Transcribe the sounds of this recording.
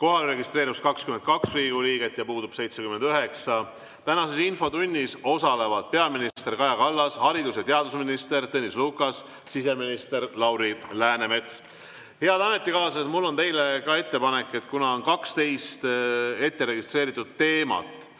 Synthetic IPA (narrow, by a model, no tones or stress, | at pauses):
ko̞ɦɑlɾe̞ɡist̪re̞ːɾiuskɑkskyment̪̚kɑksriːɡuliːɡ̥e̞t̪ːˑjɑpuːd̪ub̥se̞jt̪sekyme̞nd̪yɦe̞ksɑ | t̪ænɑse̞sinfo̞t̪unʲːiso̞sɑle̞vɑd̪̥̚pe̞ɑminist̪e̞rkɑjɑkɑlːɑshɑɾid̪usjɑt̪e̞ɑd̪usminist̪e̞rt̪ɤnisluːkːˑɑs | sise̞minist̪e̞rlɑwɾilæːne̞me̞t̪s | he̞ɑd̪ɑme̞t̪ːˑikɑːsɑset̪mulːo̞nt̪e̞jle̞kɑe̞t̪ːe̞pɑne̞kːˑe̞t̪kunɑonkɑkst̪e̞jst̪e̞t̪ːe̞ɾe̞ɡ̥ist̪ɾe̞ːɾit̪ːˑud̪̥t̪e̞ːmɑ̰t̪ːˑ